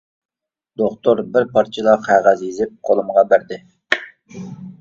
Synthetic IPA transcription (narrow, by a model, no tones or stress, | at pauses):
d̪̥oχt̪ʰoɾbɪɾpʰɑɾt͡ʃʰilˠɑqʰæʁæzjizɪp̚qʰolˠɨmʁɑbæɾd̪ɪ